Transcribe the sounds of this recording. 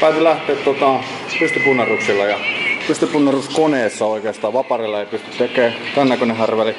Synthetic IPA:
pæˑːt̪ylæht̪ˑeːt̪t̪ot̪ɑˑpyst̪ypunːɑruksilːɑjɑpyst̪ypunːeruskoneːsːɑoikeːst̪ɑːʋɑpɑrilːɑeˑipyst̪y̥t̪t̪ekːˑeːt̪ænːekonehærʋeli

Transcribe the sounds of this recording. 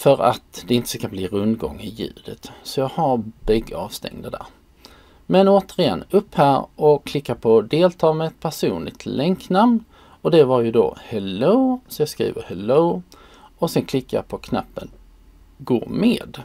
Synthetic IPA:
fœɾat̪d̪ɛɪnt̪ə̥skʰanbliːɾɵnd̪ɡɔ̰ŋːɪjʉ̟ːd̪ət̪sɔjɑːɡhaɾbɛɡːəɑːvst̪ɛ̰ŋd̪ad̪æ̰ːɾ | mɛnoːt̪əɾɪɛ̰nːɵpːhæːɾɔkʰlɪkːapʰɔd̪eːlt̪ʰɑːmɛɛt̪̚pʰæʂuːnlɪ̰ɡ̚t̪lɛŋknamn | ɔd̪ɛvaɾjɵd̪o̰hɛloːsɔjɑskɾḭːvəɾhɛloː | ɔsɛnkʰlɪkːajɑ̰pʰɔkʰna̰pːən | ɡo̰ːmeːd̪

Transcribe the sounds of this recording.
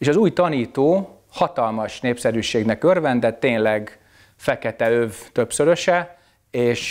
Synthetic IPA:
eːʃɒzuːjt̪ɒniːt̪oː | hɒt̪ɒlmɒʃneːpsɛɾyːʃeːɡnɛkørvɛnd̪ɛt̪ːeːnlɛɡ | fɛkɛt̪ɛøvt̪ø̞psøɾø̞ʃɛ | eːʃ

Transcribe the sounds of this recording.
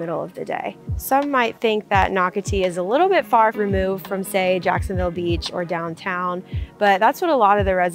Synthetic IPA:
ɪɾl̩ˠʌ̰vðɨdḛɪsʌ̃mːaɪt̪̚θɪ̃ŋk̚ðɨtⁿnɑkɨtʰiɨzəlɪɾl̩ˠbɪtfɑɹɹimʉvd̥fɹʌ̃mseɪd͡ʒæ̰ksɨ̃n̩vɪlˠbit͡ʃə̰˞dãʊ̃ntʰãʊ̃nb̥ʌt̪̚ðætswʌɾəlɔɾʌvðɨɹɛz

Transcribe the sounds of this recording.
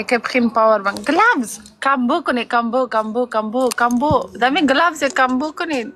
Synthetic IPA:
kapχinpawəɾbaŋɡəlabz | kambokonekambokambokambokambodamiɡəlabsekambokune

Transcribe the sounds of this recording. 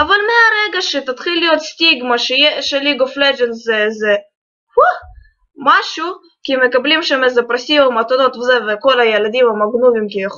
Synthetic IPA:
avalmeaɾeɡaʃet̪at̪χilːijo̞t̪st̪ʲiɡmaʃejɛʃeliɡofled͡ʒenzɛzɛ | hu | maʃu | kimekablimʃemezɛpɾasimomat̪od̪ot̪vzɛvekolajelad̪imamaɡnuvimkijex

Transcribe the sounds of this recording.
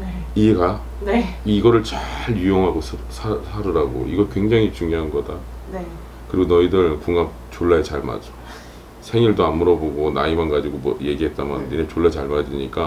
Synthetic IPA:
e | iɡa | neiɡʌɾɯɭt͡ɕaɾjujoŋɦaɡosʰɯsʰasʰaɾɯɾaɡo̰iɡʌɭkwe̞ŋd͡ʑaŋit͡ɕuŋjoɦanɡʌdan | kɯɾiɡonʌidɯɭkuŋap̚t͡ɕoɭːaɦet͡ɕaɭma̰d͡ʑo̥ | sʰe̞ŋiɭdoamːuɾʌboɡona̰imanɡad͡ʑiɡomwʌ̰je̞ɡiɦe̞t̚t͈amaninet͡ɕoɭːaet͡ɕaɭmad͡ʑiɲik͈a

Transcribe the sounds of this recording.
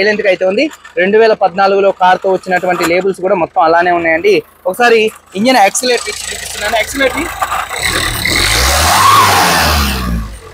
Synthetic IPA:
jlent̪kɐjt̪eːund̪iɾeɳɖuʋɛːlɐpɐd̪naːluɡulo̞ːkaːɾt̪o̞ːʋɐt͡ʃːinɐʈuʋɐɳʈile̞ːbulsuk̬uːɽaːmɔt̪ːɐmɐlaːne̞ːunːaːjɐɳɖi | ɔkɐsaːɾiiɲd͡ʒɐneksileːʈːiipist̪unːaːnueːksileːʈːi

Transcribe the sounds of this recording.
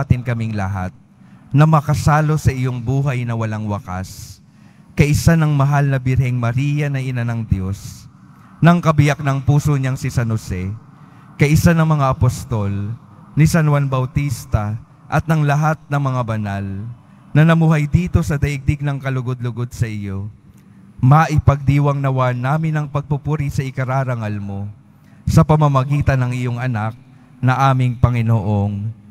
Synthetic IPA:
t̪ɪnkɐmiŋlɐ̰ɦa̰t̪̚ | nɐmɐkɐsaːlo̞sɐʔɪjoŋbuːɦɐjnɐwɐlaŋwɐka̰s | kɐjʔɪsanɐŋmɐɦalnɐbɪɾhɛŋmɐɾiːjɐnɐʔɪnanɐŋd̪jo̞s | nɐŋkɐbɪjak̚nɐŋpuːsoɲaŋsɪsɐnosɛ | kɐʔɪsanɐŋmɐŋaʔɐpost̪o̞l | nisɐnwanbɐwt̪ist̪ɐ | ʔɐt̪̚nɐŋlɐɦat̪̚nɐŋmɐŋabɐnal | nɐnɐmuːɦajd̪iːt̪o̞sɐd̪ɐʔɪɡ̚d̪ɪɡ̚nɐŋkɐlʊɡod̪̚lʊɡo̞d̪̚sɐʔɪjo̞ | mɐʔɪpɐɡ̚d̪iːwɐŋnɐwanːaːmɪnɐŋpɐɡ̚pʊpuɾisɐʔɪkɐɾaːɾɐŋalmo | sɐpɐmɐmɐɡiːt̪ɐnːɐŋʔɪjo̞ŋɐnak̚ | nɐʔaːmɪŋpɐŋɪnoʔoŋ

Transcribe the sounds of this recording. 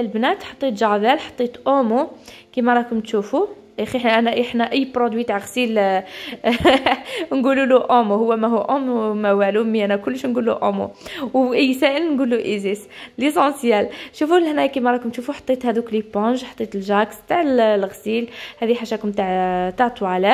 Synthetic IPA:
lbnæt̪ħɑt̪ˤːit̪ʒɑɾd̪ælħɑ̥t̪ˤːit̪ʔomukimɑɾˤɑkʊmt̪ʃufu | ʔæxiħʔænæʔiħnæʔəjːpɾod̪wit̪aʕɣsil | nɡululuʔomuhʊwːæmæɦuʔʊmmæwælumːiʔænækʊlːʃnɡulːuʔomṵwʔəjːsæʔəlnɡuluʔizislisɑ̃sjælʃufunəlhnæjkimæɾˤɑkʊmt̪ʃufuħɑ̥t̪ˤːit̪hæd̪uklipɔ̃ʒħɑ̥t̪ˤːit̪əlʒækst̪aʕlɣsilhæd̪iħaʃækʊmt̪aʕt̪ɑʕt̪ˤuʕalæ

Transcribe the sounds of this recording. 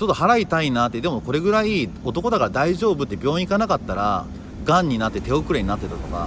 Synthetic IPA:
t͡ɕo̞t̪ːoɦaɾait̪ainaːt̪ːed̪e̞moko̞ɾe̞ɡɯ̟ɾaio̞t̪o̞ko̞d̪akaɾad̪aiʑo̞ːbɯ̟t̪ːe̞bʲjõ̞ːikanakat̪ːaɾa̰ | ɡãɲ̟ːinat̪ːe̞t̪e̞o̞kɯ̟ɾeɲinat̪ːe̞t̪at̪o̞ka̰

